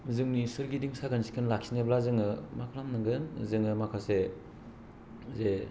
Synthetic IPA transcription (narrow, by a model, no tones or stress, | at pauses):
zɯŋnisɯɾɡidiŋsaɡansi̥kʰɯnlaksineblazɯŋɯmakʰalamnɯŋɡɯnzɯŋɯmakʰase | ze